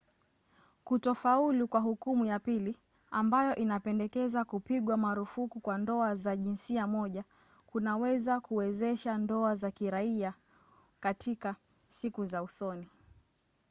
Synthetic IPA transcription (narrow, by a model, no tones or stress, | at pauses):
kutɔfaulukwaɦukumujapili | ambajɔʔinapɛndɛkɛzakupiɠwamaɾufukukwandɔazaʄinsiamɔʄa | kunawɛzakuwɛzɛʃandɔazakiɾaia | katʰika | sikuzausɔni